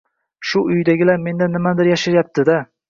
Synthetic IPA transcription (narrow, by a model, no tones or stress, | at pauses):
ʃʊʊjd̪aɡʲɪlaɾme̞nd̪anɪmad̪ɪɾjaʃɪɾjap̚t̪ʰɪd̪a